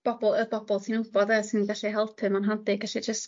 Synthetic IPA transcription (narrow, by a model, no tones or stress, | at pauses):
b̥ɔbɔlˠəbɔbɔlˠtʰinʊbɔdəsɪnɡaɬiɦɛlˠpʰɨmanɦadɪɡaʃɛd͡ʒəst